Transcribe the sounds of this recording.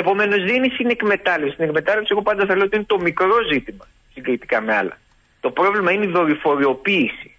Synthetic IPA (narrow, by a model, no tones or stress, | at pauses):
epo̞me̞no̞zðeinisine̞kme̞t̪ɐlefsisinekme̞t̪ɐlepsie̞ɣo̞pɐnd̪ɐθɐleot̪ine̞t̪o̞mikɾo̞zit̪imɐ | siɡlit̪i̥kɐme̞ɐ̰lɐ̰ | t̪o̞pɾo̞vlimɐineiðo̞ɾifo̞ɾio̞piːsi̥